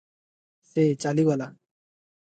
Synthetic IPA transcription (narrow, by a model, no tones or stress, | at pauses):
set͡ɕaliʋala